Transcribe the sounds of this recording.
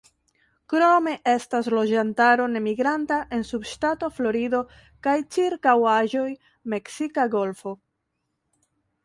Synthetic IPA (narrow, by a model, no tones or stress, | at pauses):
kɾome̞ʔe̞staslo̞d͡ʒantaɾo̞ne̞miɡɾantaʔe̞nsubʃtato̞flo̞ɾido̞ | kajt͡ʃiɾkawaʒo̞j | me̞ksikaɡo̞lfo̞